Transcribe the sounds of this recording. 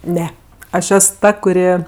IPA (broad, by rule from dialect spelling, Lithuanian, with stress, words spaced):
ˈnʲɛ ˈɐʃ ˈɛs ˈtɐ kʊˈrʲɪ